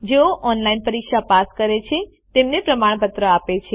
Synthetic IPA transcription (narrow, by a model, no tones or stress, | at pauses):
d͡ʒeoʔɔnlainpəɾikʃapaskəɾet͡ʃʰe | t̪emnepɾəmaɳ̃pət̪ɾəapet͡ʃʰe